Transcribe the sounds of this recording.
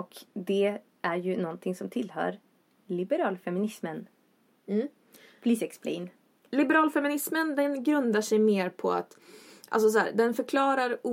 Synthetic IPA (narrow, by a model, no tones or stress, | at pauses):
ɔkd̪ɛ | ʔæɾjɵnɔnt̪ʰɪŋsɔmt̪ʰɪlːhœ̰ːɾ | lɪbɛɾɑːlfɛmɪnɪsmən | pʰliːsɛkspʰlɛ̰n | lɪbɛɾɑːlfɛmɪnɪsmənd̪ɛnɡɾɵnd̪aʂɛjmeːɾpʰɔa̰t̪ʔa̰ls̬ɔs̬ɔhæ̰ːɾd̪ɛnfœɾkʰlɑːɾaɾuː